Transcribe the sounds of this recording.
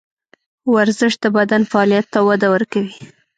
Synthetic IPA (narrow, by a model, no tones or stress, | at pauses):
waɾzɪʂd̪əbad̪anfaɑlijat̪ːawad̪awəɾkawi